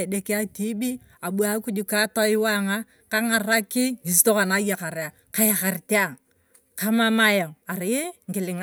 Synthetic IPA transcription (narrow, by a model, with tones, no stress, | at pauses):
de˦ka˦ti˦bi˦ | a˨ɓu˦a˦ku˦d͡ʒu˦ka˦tɔ˦ɪ˦wa˦ŋa˦ | ka˦ŋa˨ra˦kɪ˦ŋi˨s̬to˦ka˨na˦ja˨ka˨ɾe˨a˨ | ka˦ja˨ka˨ɾte˦a˦˨ | ka˦ma˦ma˦ja˨ŋa˨ɾɪ˨˦ŋɡɪ˨lɪ˨ŋ